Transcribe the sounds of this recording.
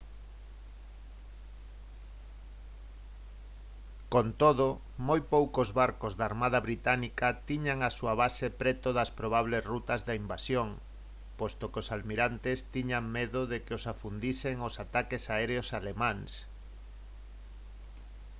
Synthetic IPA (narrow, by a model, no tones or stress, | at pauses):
kont̪oðo | mojpowkozβaɾkozðaːɾmað̞ɐβɾit̪anikɐt̪iɲaŋasuaβasepɾɛt̪oðɐspɾoβ̞aβ̞lesrut̪ɐzðaimbasjoŋ | post̪okeosalmiɾant̪ɪst̪iɲaŋmeðʊðekɪosafund̪iseŋosat̪akesaɛɾeosalemãŋs